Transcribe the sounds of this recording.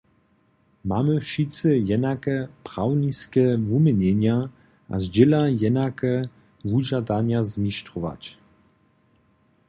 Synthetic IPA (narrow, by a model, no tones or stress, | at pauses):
mamɘʃit̪sɛjɛnakɛpɾ̥awniskɛvumʲɛɲɛɲa | ʔa̰zd͡ʑɛlajɛnakɛ | vuʑad̪aɲazmʲiʃtɔva̰t͡ɕ